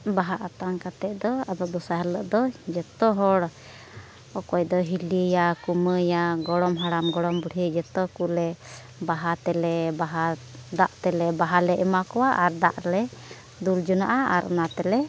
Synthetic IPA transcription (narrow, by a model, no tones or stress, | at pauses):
baɦaʔat̪aŋkat̪ɛʔd̪ɔad̪ɔʔd̪ɔsaɦɛlːəʔd̪ɔd͡ʒɛt̪ɔɦɔɽ | ɔkɔjd̪ɔɦiləjakuməjaɡɔɽɔmɦaɽamɡɔɽɔmbuɽəd͡ʒɛt̪ɔkulɛ | baɦat̪ɛlɛbaɦad̪aʔt̪ɛlɛbaɦalɛʔɛmakɔwaʔaɾd̪aʔlɛ | d̪uld͡ʒunaʔaaɾʔɔ̰nat̪ɛlɛ